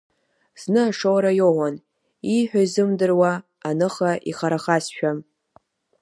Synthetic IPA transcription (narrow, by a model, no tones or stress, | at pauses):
z̥nɨaʂowɾajowan | iħʷᶣaizɨmdɨrwa | anɨχaʔiχaɾaχasʃᶣam